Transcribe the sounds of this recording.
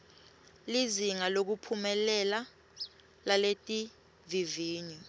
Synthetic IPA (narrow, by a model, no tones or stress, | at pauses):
liziŋalok̬upʰumɛlɛla | laletʼi | viviːɲu